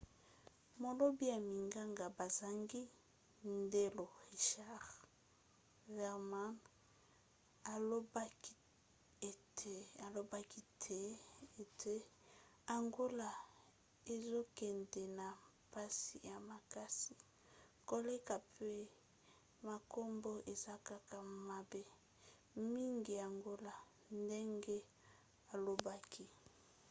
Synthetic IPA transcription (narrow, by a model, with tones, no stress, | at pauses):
mo˨lo˦bi˦ja˨mi˨ŋɡa˦ŋɡa˨ba˨za˨ŋɡi˦ | nde˦lo˨ʁi˨ʃa˦ʁ | vɛ˨ʁma˦n | a˨lo˦ba˦k | e˨te˨a˨lo˨ba˦ki˦tʰe˦e˨tʰe˦ | a˨ŋɡo˦la˨ | e˨zo˦kɛ˨ndɛ˨na˨ | pa˦si˨ja˨ma˨ka˦si˨ | ko˨le˦ka˨pʰe˦ | ma˨ko˦mbo˦ʔe˨za˦ka˦ka˨ma˨be˦ | mi˦ŋɡi˨a˨ŋɡo˦la˨ | nde˦ŋɡe˦ | a˨lo˨ba˦kʰi˦